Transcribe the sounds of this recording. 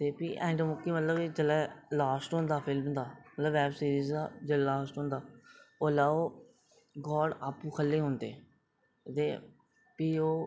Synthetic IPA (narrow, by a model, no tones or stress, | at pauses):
t̪eːpiːʔɛ̃ːɳɖmʊkːiːmət̪ləbd͡ʒəlɛːlaːsʈɦõːnd̪aːpʰɪlmd̪aːmət̪ləbɛːbsiːɾiːzd̪a̰ːd͡ʒəllaːsʈɦõːnd̪aːoːlaːoː | ɡɔːɽaːpːũːkʰəlːeːɦõːnd̪eː | t̪eː | piːoː